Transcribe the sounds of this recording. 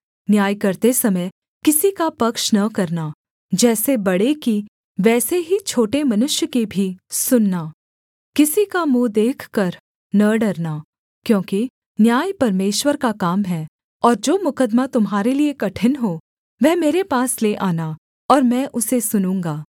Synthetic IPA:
njaːjkɐɾt̪esɐməj | kɪsikapɐkʃnɐkɐɾna | d͡ʒɛːsebɐɽeki | ʋɛːseɦit͡ʃʰoːʈemɐnʊʃjəkebʱisʊnːaː | kɪsikamũːd̪eːkʰkɐɾ | nɐɖɐɾnaː | kjõːki | njaːjpɐɾmeːʃwəɾkakaːmɦɛː | ɔːɾd͡ʒoːmʊkəd̪mat̪ʊmɦaːɾeliekɐʈʰənɦoː | ʋɛɦmeːɾepaːsleʔaːna | ɔːɾmɛ̃ːʔʊsesʊnũːŋɡaː

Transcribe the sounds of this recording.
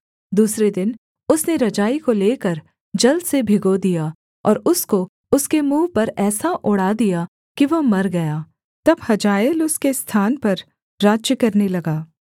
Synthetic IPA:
d̪uːsɾed̪ɪn | ʊsneɾɐd͡ʒaːikoleːkɐɾ | d͡ʒɐld̪sebʱɪɡod̪ijaː | ɔ̰ːɾʊsko | ʊskemuːpɐɾɛːsaʔʊɽaːd̪ija | kiʋɐmɐɾɡɐjaː | t̪ɐbhɐd͡ʒaːjəlʊskest̪ʰaːnpɐɾ | ɾaːd͡ʒjəkɐɾnelɐɡaː

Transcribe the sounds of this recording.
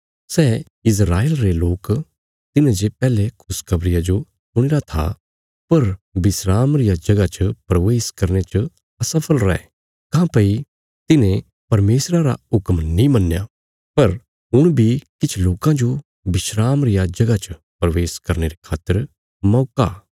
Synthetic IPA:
sɛː | ɪs̬ɾaːeːlɾeloːk | t̪ɪnẽd͡ʒepɛːlekʰʊskʰɐbɾɪjad͡ʒo | sʊɽ̃ɪɾat̪ʰa̰ | pɐɾbɪsɾaːmɾɪjad͡ʒɐɡat͡ʃəpɾɐʋeːskɐɾnet͡ʃə | ɐsɐpʰəlɾɛ̰ | kãːpɐi | t̪ɪnẽ | pɐɾmeːsɾaɾa̰ʊkmnĩmɐnːja | pɐɾ | ɦʊɽ̃bʱikɪt͡ʃʰloːkãd͡ʒo | bɪʃɾaːmɾɪjad͡ʒɐɡat͡ʃ | pɾɐʋeːskɐɾneɾekʰaːt̪ːəɾ | mɔːka̰ː

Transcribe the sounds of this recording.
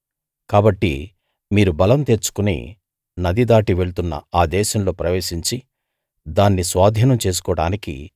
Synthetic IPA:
kaːbɐʈːḭ | miːɾubɐlɐmt̪e̞ːɾt͡ʃu̥kunḭ | nɐd̪id̪aːʈiʋe̞ɭut̪unːɐ̰aːd̪ɛːʃɐmlo̞ːpɾɐʋe̞ːʃiɲt͡ʃi | d̪aːnːisʋaːd̪ʱjɐnɐmt͡ʃe̞ːs̬u̥kɔːɐɽa̰ːnikḭ

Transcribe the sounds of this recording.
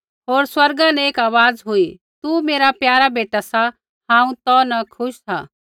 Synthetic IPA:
ɦoːɾswɐɾɡãnɛ̃eːkaːʋaːd͡zɦʊi | t̪umeːɾapjaːɾabeːʈasa | ɦãːũt̪ɔnɐkʰʊʃsʰa̰

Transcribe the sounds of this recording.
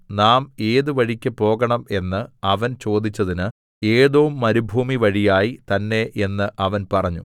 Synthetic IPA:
naːme̞ːðɨʋɐɻikʲːɨpo̞ːɡɐɳɐme̞nːɨɐʋɐnt͡ɕo̞ːd̪it͡ɕːɐðinɨ | e̞ːðoːumːɐɾubʱuːmiʋɐɻijaːjit̪ɐnːe̞ʔe̞nːɨʔɐʋɐnpɐrɐɲːṵ

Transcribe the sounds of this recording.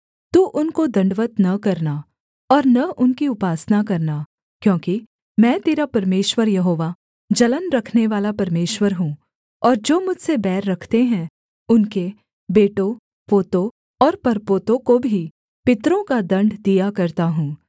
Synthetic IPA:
t̪uːʔʊnkod̪ɐ̃ɳɖʋət̪nɐkɐɾna | ɔːɾnɐʔʊnkiʊpaːsnakɐɾna | kjõːki | mɛ̃ːt̪eːɾapɐɾmeːʃwəɾjɐɦoːʋa | d͡ʒɐlənɾɐkʰneʋaːlapɐɾmeːʃwəɾɦũː | ɔːɾd͡ʒoːmʊd͡ʒʱsebɛːɾːɐkʰt̪eɦɛ̃ | ʊnke | beːʈõ | poːt̪õ | ɔːɾpɐɾpoːt̪õkobʱi | pɪt̪ɾõkad̪ɐ̃ɳɖd̪ijakɐɾt̪aɦũː

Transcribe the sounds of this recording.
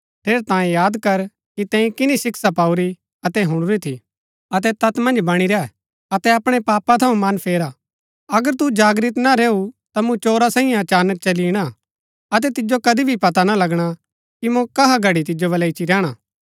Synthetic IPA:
t̪ʰeːɾt̪ãːẽjaːd̪kɐɾ | kit̪ɛ̃ːĩkɪnisɪksapaːuɾi | ɐt̪ɛɦʊɽ̃uɾit̪ʰi | ɐt̪ɛt̪ɐt̪mɐ̃nd͡ʒbɐɽ̃iɾɛɛ | ɐt̪ɛɐpɽ̃epaːpat̪ʰɐũmɐnpʰeːɾa | ɐɡəɾt̪̬ud͡ʒaːɡɾɪt̪naɾeːut̪amũt͡ʃoːɾasãːĩjẽɐt͡ʃaːnək̚t͡ʃɐliɽ̃a | ɐt̪̬ɛt̪ɪd͡ʒokɐd̪ibʱipɐt̪analɐɡɽ̃a | kimõkɐɦaɡʱɐɽit̪ɪd͡ʒobɐlɐɪt͡ʃiɾɛːɽ̃aː

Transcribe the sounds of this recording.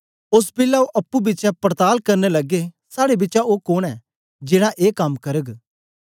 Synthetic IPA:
ʊspɪlaoʔɐpːubɪːt͡ʃapəɾt̪aːlkɐɾnelɐɡesaːɽebɪtːt͡ʃaoːkoːɽ̃ɛː | d͡ʒɪːɽ̃aʔeːkɐmkɐɾəɡ

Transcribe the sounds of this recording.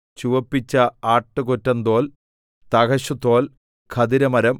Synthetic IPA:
t͡ɕuʋɐpːit͡ɕːɐaːʈːɨkotːɐnd̪o̞ːl | t̪ɐkɐɕɐt̪ːo̞ːl | kʰɐd̪iɾɐmɐɾɐm

